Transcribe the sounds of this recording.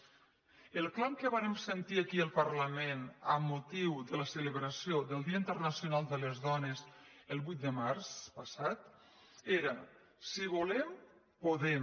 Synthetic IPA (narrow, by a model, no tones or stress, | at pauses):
əlˠklawkəβaɾemsənt̪iakiəlˠpərləmenəmːut̪iwðələsələβɾəsioðəlˠd̪iəint̪ərnəsjunalˠd̪ələzðɔnez | əlˠβujt̪̚d̪əmaɾspəsat̪ | eɾə | siβ̞ulɛm | poðɛ